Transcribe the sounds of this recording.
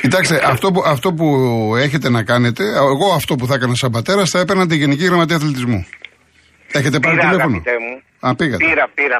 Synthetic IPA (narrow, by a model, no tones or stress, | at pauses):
cit̪ɐkst̪eʔɐft̪o̞puɐft̪o̞p̬ue̞çe̞t̪e̞nɐkɐne̞t̪e̞eɣo̞ɐft̪o̞p̬uθɐekɐnɐsɐmbɐt̪e̞ɾɐsθɐepeɾnɐt̪iʝe̞niciɣɾɐmɐt̪̬iɐθlit̪izmṵ | e̞çe̞t̪epɐnɐt̪ilefonot̪emu | ɐpiɣɐt̪ɾɐiɾɐ